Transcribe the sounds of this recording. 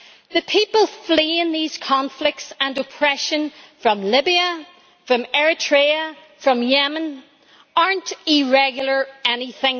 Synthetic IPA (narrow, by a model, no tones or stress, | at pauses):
ðɨpʰipəlˠfliɪ̃nðiz̥kʰɑ̃ɱflɪk̚tsə̃nəpʰɹ̥ɛʃə̃nfɹʌ̃mlɪbiə | fɹʌ̃mɛɹɪtʰɹ̥eə | fɹʌ̃mjɛmə̃n | ɑɹntɪɹɛɡjl̩ˠə˞ɛniθɪ̃ŋ